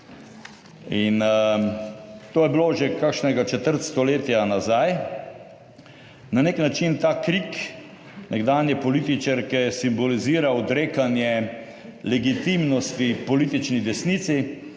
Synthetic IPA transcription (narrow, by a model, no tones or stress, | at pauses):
in | t̪oːjɛbiloʒekakʃnɛɡat͡ʃɛt̪əɾt̪st̪ɔleːt̪ijanazaj | naneknat͡ʃint̪aːkɾik | nʔɛɡd̪aːnjɛpɔlit̪it͡ʃaɾkɛjɛsimbɔliziːɾawd̪ɾeːkanjɛ | lɛɡit̪imnɔst̪ipɔliːt̪it͡ʃnid̪ɛsnit̪si